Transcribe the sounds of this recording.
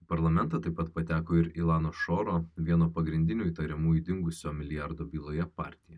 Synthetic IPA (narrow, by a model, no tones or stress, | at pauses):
pɐɾlˠɐmʲɛnt̪ɐt̪ɐɪpɐt̪pɐt̪ʲæːkoːɪɾɪlˠɑːnoːʃoːɾoːʋʲiɛnoːpɐɡɾʲɪnʲd̪ʲɪnʲuːit̪ɐɾʲɛmuːjud̪ʲɪŋɡʊsʲoːmʲɪlʲɪjɑɾd̪oːbʲiːlˠoːjɛpɑ̰ːɾʲt̪ʲɪjɛ